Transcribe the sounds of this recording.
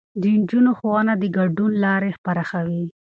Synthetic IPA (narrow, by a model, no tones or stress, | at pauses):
d̪ənd͡ʒunoxowɑnad̪əɡaɖunlɑɾexpaɾaxawi